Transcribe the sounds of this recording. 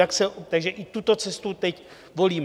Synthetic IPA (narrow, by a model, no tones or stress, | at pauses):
aksɛt̪aɡʒɛʔɪt̪ut̪o̞t͡sɛst̪ut̪ɛc | vo̞liːm